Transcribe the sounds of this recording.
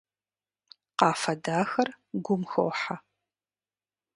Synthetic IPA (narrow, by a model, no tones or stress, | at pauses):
qɑːfɐdaːxɐr | ɡʷʊmxo̰wħa